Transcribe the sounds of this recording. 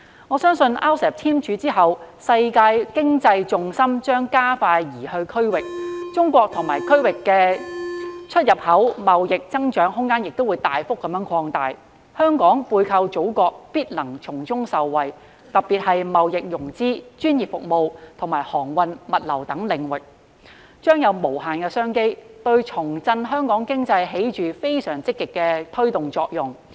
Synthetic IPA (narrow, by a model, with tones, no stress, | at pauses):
ŋɔː˨˧sœː˥ŋsɵ˧nʔaː˥wsɛː˨˩p̚t̪ʰiː˥mt͡ʃʰyː˨˧˥t͡siː˥ɦɐ˨wsɐ˧jkaː˧jkɪ˥ŋt͡sɐ˧jt͡sʊ˨˧ŋsɐ˥mt͡ʃœː˥ŋkaː˥faː˧jjiː˨˩hɵ˧ɥkʰɵ˥ɥwɪ˨k̚t͡ʃʊ˥ŋkʷɔː˧k̚t̪ʰʊ˨˩ŋmaː˨˩jkʰɵ˥ɥwɪ˨kːɛː˧ | t͡ʃʰɵ˥t̚jɐ˨p̚hɐ˨˥wmɐ˨wjɪ˨k̚t͡sɐ˥ŋt͡ʃœː˨˥ŋɦʊ˥ŋːaː˥njɪ˨k̚t̪o˥wu˨˧jt̪aː˨jfʊ˥k̚ːɐ˨˥mjœː˨˧˥ŋkʰɔː˧ŋt̪a̰ː˨j | hœː˥ŋkɔː˨˥ŋpuː˧jkʰɐ˧wt͡ʃo˨˥wkɔː˧k̚piː˥t̚lɐ˨˩ŋt͡ʃʰʊ˨˩ŋt͡sʊ˥ŋsɐ˨wːɐ˨j | t̪ɐ˨k̚pːiː˨t̚hɐ˨jmɐ˨wjɪ˨k̚jʊ˨˩ŋt͡siː˥t͡ʃyː˥njiː˨˩p̚fʊ˨k̚mo˨wt̪ʰʊ˨˩ŋmaː˨˩jhɔː˨˩ŋwɐ˧nmɐ˨t̚lɐ˨˩wt̪ɐ˨˥ŋlɪ˨ŋwɪ˨k̚ | t͡ʃœː˥ŋjɐ˨˧wmo˨˩wɦaː˨˩nkɛː˧sœː˥ŋke˥jt̪ɵ˧ɥt͡ʃʰʊ˨˩ŋt͡sɐ˧nɦœː˥ŋkɔː˨˥ŋkɪ˥ŋt͡sɐ˧jɦe˨˥jt͡ʃyː˨fe˥jsœː˨˩ŋt͡sɪ˥kːɪ˨kːɛː˧t̪ʰɵ˥ɥt̪ʊ˨˩ŋt͡sɔː˧k̚jʊ˨˩ŋ